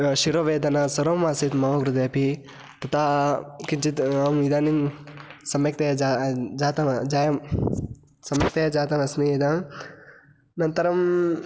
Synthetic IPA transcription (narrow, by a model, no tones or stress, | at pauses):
ʃiɾoʋeːd̪ɐnasɐɾoːmaːsit̪mɐmɐɡɾud̪ɐjɐpi | t̪ɐt̪aːkint͡ʃit̪amid̪aːnimsɐmjɐk̚t̪ɐjɐd͡ʒad͡ʒaːt̪ɐnd͡ʒaːjɐ | sɐmjɐk̚t̪ɐjad͡ʒaːt̪ɐnɐsnied̪aːn | nɐnt̪ɐɾɐm